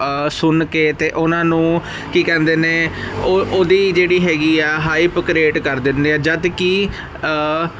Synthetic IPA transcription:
sʊnkeːt̪eːʔʊnãːnũː | kiːkɛ̃ːnd̪eːneːoʔoːd̪iːd͡ʒeːɽiːɦɛːɡiːɛːɦaːiːpkɾeːʈkəɾd̪ɪnd̪eːɛːd͡ʒəd̪kiː

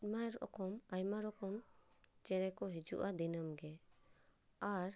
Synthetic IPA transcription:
majɾɔʔɔ̰kɔmajmaɾɔkɔmt͡ʃɛɾɛkɔɦid͡ʒṵʔad̪inəmɡɛ | aɾ

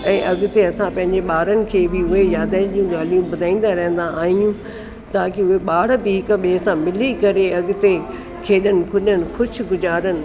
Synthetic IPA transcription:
ɛ̃ːʔɐɡɪt̪eɐsãpɐ̃ɦɪ̃ɲd͡ʑeɓaːɾənɪ̆kʰeːbɪʊɦejaːd̪ãːd͡ʑiːũɡaːl̤ijũbʊd̪ʱaːĩːn̆d̪aɾɐɦə̃n̆d̪aaːɦijũ | t̪aːkiʊɦeɓaːɽ̤biɦɪkəɓeːsãmɪlikɐɾeɐɡɪ̆t̪e | kʰeːɗənɪ̆kʰʊɗənɪ̆xʊd͡ʑʰʊ̆ɡʊzaːɾənɪ̆

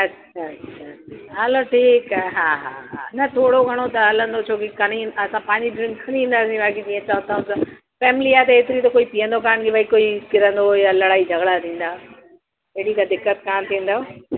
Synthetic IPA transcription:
ɐtːʰaɐtɕʃʰaaɐloʈʰiːkaːɦaːɦa̰ːɦa̰nɐt̪ʰoːɽoɡʱɐɽ̃ot̪ɐɦɐlə̃nd̪ot͡ɕʰoːkikɐɽ̃iɐsãpɐ̃ːɪɲd͡ʑiɖɾɪ̃ŋkʰnĩːn̆d̪aːsĩbaːkid͡ʑiːə̃t͡ɕaɦə̃t̪aːʊ̃nsã | fɛːmɪliaːt̪ɐeːt̪ɪɾit̪̬ɐkoːipiːə̃nd̪okaːñɡeʋaːikoːikɪɾə̃nd̪ojalɐɽaːid͡ʑʱɐɡɽat̪ʰĩːn̆d̪aː | eɽikad̪ɪkːət̪kaːmt̪ʰĩːn̆d̪aːo

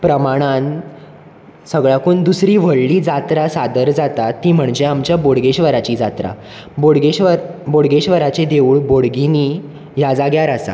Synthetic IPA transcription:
pɾəmaɽ̃an | səɡɭakuːnd̪usɾiːʋ̤əɭːiːd͡zat̪ɾasad̪əɾd͡zat̪at̪ːiːm̤əɳd͡ʑeamt͡ɕjaboɽɡeɕʋəɾat͡ɕiːd͡zat̪ɾa̰ | boɽɡeɕʋəɾboɽɡeɕʋəɾat͡ɕed̪euːɭboɽɡini | jad͡zaɡjaɾasa̰

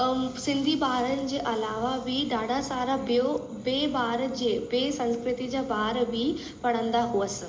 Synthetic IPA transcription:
sɪ̃nd̪ʱibaːɾənɪ̆d͡ʑeːʔɐlaːʋabiɖaːɖʱasaːɾabo | beːbaːɾd͡ʑeːbeːsɐ̃nskɾɪt̪id͡ʑabaːɾbʱi | pɐɽ̤̃ə̃nd̪aɦuəsɪ̆

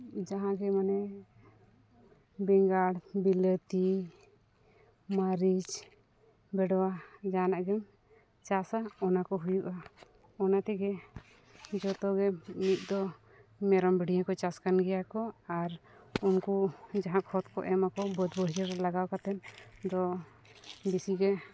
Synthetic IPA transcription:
d͡ʒaɦãɡɛmanɛ | bɛŋɡaɽbilət̪i | maɾid͡ʒ | bɛɖɔwad͡ʒanaʔɡɛm | t͡ʃasaɔnakɔɦujuʔa | ɔnat̪ɛɡɛ | d͡ʒɔt̪ɔɡɛmit̪̚ˀd̪ɔ | mɛɾɔmbiɽ̤iãkɔt͡ʃaskanɡɛjakɔaɾunkud͡ʒaɦãkʰɔt̪̚kɔ̰ʔɛmakɔbɔd̪bəɽiɾɾɛlaɡawkat̪ɛnd̪ɔ | bisiɡɛ

